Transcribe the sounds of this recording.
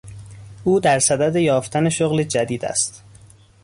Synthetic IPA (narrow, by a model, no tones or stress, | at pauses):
ʔuːd̪æɾsæd̪æd̪ejɒːft̪ʰæne̞ʃoɣled͡ʒæd̪iːd̪æ̰st̪